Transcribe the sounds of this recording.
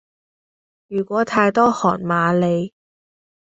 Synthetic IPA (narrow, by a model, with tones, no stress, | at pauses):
jyː˨˩kʷɔː˨˥t̪ʰaː˧jt̪ɔː˥hɔː˨˩nmaː˨˧le˨˧j